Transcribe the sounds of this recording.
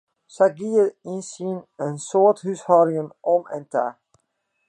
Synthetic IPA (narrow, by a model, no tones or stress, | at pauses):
saɡiəinsinənsoːthyshɔɾɪŋənɔmɛ̰nta̰